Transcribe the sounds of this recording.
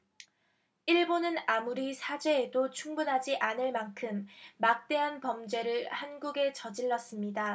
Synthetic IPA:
iɭbonɯnamuɾisʰad͡ʑe̞ːdot͡ɕʰuŋbunɦad͡ʑiʔanɯɭmankʰɯmːak̚t͈e̞ɦanpʌmd͡ʑe̞ɾɯɭhanɡuɡe̞t͡ɕʌd͡ʑiɭːʌs͈ɯmɲida

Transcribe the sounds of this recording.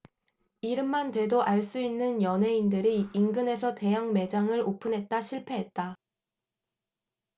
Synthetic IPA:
iɾɯmːantwe̞doʔaɭs͈uinːɯnjʌnɦe̞indɯɾiːŋɡɯne̞sʰʌte̞jaŋme̞d͡ʑaŋɯɾopʰɯnɦe̞t̚t͈aɕʰiɭpʰe̞ɦet̚t͈a

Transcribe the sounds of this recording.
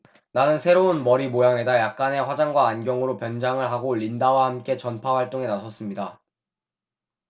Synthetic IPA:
nanɯnsʰe̞ɾounmʌɾimojaŋe̞dajak̚k͈ane̞ɸwad͡ʑaŋɡwaːnɡjʌŋɯɾopjʌnd͡ʑaŋɯɭɦaɡoʎindawahamk͈e̞t͡ɕʌnpʰawaɭt͈oŋe̞nasʰʌs͈ɯmɲida

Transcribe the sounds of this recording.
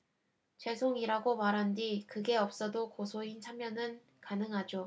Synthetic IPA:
t͡ɕe̞sʰoŋiɾaɡomaɾɦandikɯɡe̞ʌp̚s͈ʌdokosʰoint͡ɕʰamjʌnɯn | kanɯŋɦad͡ʑo

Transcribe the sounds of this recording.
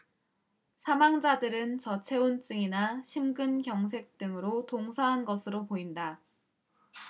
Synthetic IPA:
sʰamaŋd͡ʑadɯɾɯnt͡ɕʌt͡ɕʰe̞unt͡ɕ͈ɯŋinaɕʰimɡɯnkjʌŋs̬ʰe̞k̚t͈ɯŋɯɾotoŋsʰaɦanɡʌsʰɯɾopoinda

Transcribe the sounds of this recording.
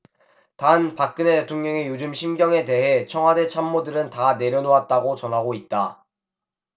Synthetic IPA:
tanpak̚k͈ɯnete̞tʰoŋɲʌŋejod͡ʑɯmɕʰimɡjʌŋe̞te̞ɦe̞t͡ɕʰʌŋwade̞t͡ɕʰamːodɯɾɯntane̞ɾjʌnoat̚t͈aɡot͡ɕʌnɦaɡoit̚t͈a

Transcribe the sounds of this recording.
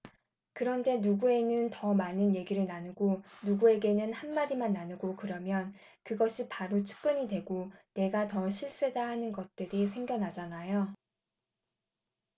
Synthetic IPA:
kɯɾʌnde̞nuɡue̞nɯntʌmanɯnje̞ɡiɾɯɭnanɯɡonuɡue̞ɡe̞nɯnhanmaɾimanːanɯɡokɯɾʌmjʌn | kɯɡʌɕʰipaɾot͡ɕʰu̥k̚k͈ɯɲidwe̞ɡone̞ɡatʌɕʰiɭs͈e̞dahanɯnɡʌt̚t͈ɯɾisʰe̞ŋɡjʌnɦad͡ʑanajo

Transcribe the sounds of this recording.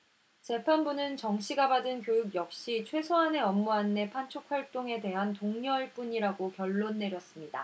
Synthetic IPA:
t͡ɕe̞pʰanbunɯnt͡ɕʌŋɕ͈ʰiɡabadɯnkjojuɡjʌk̚ɕ͈it͡ɕʰwe̞sʰoane̞ʌmːuanːe̞pʰant͡ɕʰok̚ʰwaɭt͈oŋe̞de̞ɦantoŋɲʌɭp͈uɲiɾaɡokjʌɭːonːe̞ɾjʌs͈ɯmɲida̰

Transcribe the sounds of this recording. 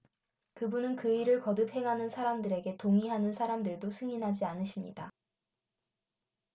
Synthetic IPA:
kɯbunɯnkɯiɾɯɭkʌdɯp̚ʰhe̞ŋɦanɯnsʰaɾamdɯɾe̞ɡe̞toŋiɦanɯnsʰaɾamdɯɭdosʰɯŋinɦad͡ʑianɯɕʰimɲḭda

